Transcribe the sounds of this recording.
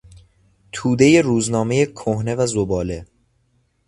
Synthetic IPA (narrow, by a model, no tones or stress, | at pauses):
t̪ʰuːd̪e̞je̞ɾuːznɒːmejekʰohne̞væzobɒːle̞